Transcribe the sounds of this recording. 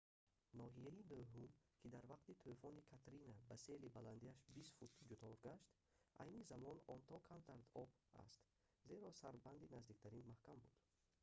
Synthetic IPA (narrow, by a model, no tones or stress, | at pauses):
nɔɦijainoɦumkʰid̪aɾvaqt̪it̪ʰufɔnikʰat̪ɾinabase̞libaland̪iaʃbisfut̪d͡ʒut̪ʰɔɾɡaʃt̪ | ʔa̰jnizamɔnɔnt̪ʰɔkʰamt̪aɾd̪ɔb | a̰st̪ | ze̞ɾɔsaɾband̪inazd̪ikt̪ʰaɾinmahkambud̪̥